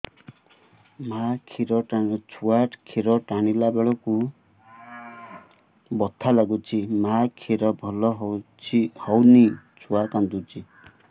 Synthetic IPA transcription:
makʰiɾɔʈat͡ʃʰuaʈkʰiɾɔʈañilabeɭɔku | bɔt̪ʰalaɡut͡ʃʰimakʰiɾɔbʱɔlɔɦ | hɔwni | t͡ʃʰuakand̪ut͡ʃʰi

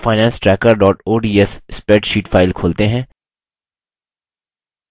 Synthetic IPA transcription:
faːɪnɛ̃ːnsʈɾɛːkəɾɖɔːʈoːɖiːɛsspɛːɖʃiːʈfʰaːɪlkʰoːlt̪eɦɛ̃ː

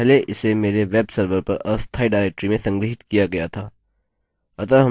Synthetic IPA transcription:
ɛleʔɪsemeːɾeʋeːbsəɾʋəɾpɐɾɐst̪ʰaiɖaːɾek̚ʈɾimẽsɐ̃ŋɡɾɪɦɪt̪kijaɡɐjat̪ʰa | ɐt̪əɾɦɐ

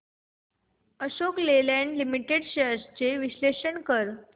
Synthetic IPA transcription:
əɕoklelæ̃ɳɖlimiʈeɽɕəst͡ɕeʋiɕleɕəɳkəɾ

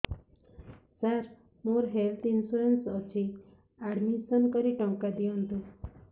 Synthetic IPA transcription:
saɾ | moɾɦelt̪ʰinsuɾensɔt͡ʃʰi | aɽmisɔnkɔɾiʈɔwkad̪iɔnt̪u

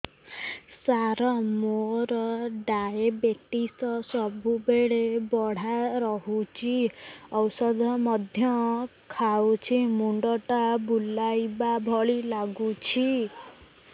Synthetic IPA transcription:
saɾɔmoɾɔɖajebeʈisɔsɔbubeɭebɔɽ̤aɾɔɦut͡ʃʰiɔwsɔd̪ʱɔmɔd̪ʱjɔkʰawt͡ʃʰimuɳɖɔʈabulajbabʱɔɭilaɡut͡ʃʰi

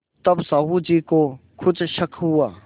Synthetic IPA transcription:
t̪ɐbsaːɦud͡ʒiːkokʰʊt͡ʃʃɐkʰɦuaː

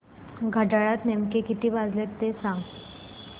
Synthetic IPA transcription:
ɡʱəʈaɭat̪nemkekit̪ʰiːbad͡zlet̪ːesãŋɡ

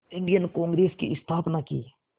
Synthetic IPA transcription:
ɪ̃ɳɖijənkõːŋɡɾeːskḭʔɪst̪ʰaːpnaːkḭː

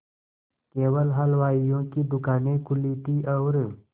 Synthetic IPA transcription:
keːwəlɦɐlʋaːijõkid̪ʊkaːnekʊliːʈ̪iɔːɾ

